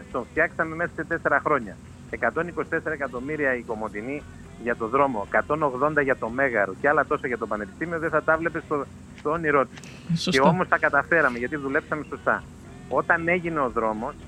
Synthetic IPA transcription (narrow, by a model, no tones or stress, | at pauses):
t̪o̞ɱft̪çɐksɐme̞me̞sɐse̞t̪e̞se̞ɾɐxɾo̞ɲɐ̰ | e̞kɐt̪o̞niko̞si̥t̪e̞se̞ɾɐekɐt̪o̞miɾiɐiko̞mo̞t̪ini | ʝɐt̪o̞ðɾo̞mo̞ekɐt̪o̞no̞ɣðo̞nd̪ɐʝɐt̪o̞me̞ɣɐɾoceɐlɐt̪o̞sɐʝɐt̪opɐne̞pi̥st̪imio̞ðeθɐt̪ɐvle̞pe̞st̪o | st̪oːniɾo̞t̪i̥s | ce̞omo̞st̪ɐkɐt̪ɐfe̞ɾɐme̞ʝɐt̪̬iðule̞psɐme̞so̞st̪ɐ̰ | o̞t̪ɐne̞ʝine̞o̞ðɾo̞mo̞s